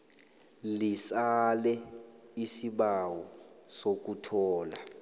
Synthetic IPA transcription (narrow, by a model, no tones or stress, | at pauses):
lisalɛisiɓawɔsok̬utʰɔːla